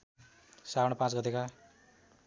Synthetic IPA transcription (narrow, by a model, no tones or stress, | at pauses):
sawɽʌpãt͡sɡʌt̪eka